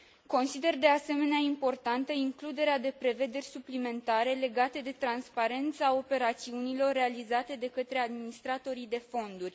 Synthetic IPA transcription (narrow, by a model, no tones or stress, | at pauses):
ko̞nsid̪e̞rd̪e̞ase̞me̞neaimpo̞rt̪ant̪əiŋklud̪e̞ɾead̪e̞pɾe̞ve̞d̪erʲsuplime̞nt̪aɾe̞le̞ɡat̪əd̪e̞t̪ɾanspaɾe̞nt̪səao̞pe̞ɾat̪siunilo̞rːe̞alizat̪e̞d̪e̞kət̪ɾe̞ad̪minist̪ɾat̪o̞ɾid̪e̞fo̞nd̪urʲ